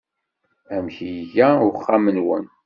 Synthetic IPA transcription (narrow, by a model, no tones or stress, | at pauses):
æmçiʝæʊχːamənwən